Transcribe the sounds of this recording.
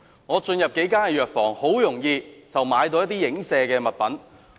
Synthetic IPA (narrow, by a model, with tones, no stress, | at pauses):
ŋɔː˨˧t͡ʃɵ˧njɐ˨p̚ke˨˥jkaː˥nkɛː˧jœː˨k̚fɔː˨˩ŋho˨˥wjʊ˨˩ŋjiː˧t͡sɐ˨wmaː˨˧jt̪o˧wjɐt̪iː˥jɪ˨˥ŋsɛː˧kɛː˧mɐ˨t̚pɐ˨˥n